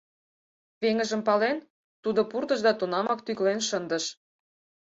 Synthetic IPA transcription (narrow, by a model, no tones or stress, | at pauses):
βeŋə̆ʒə̆mpɑlen | t̪ud̪ŏpurd̪ə̆ʒd̪ɑt̪unɑmɑkt̪yklenʃənd̪ə̆ʃ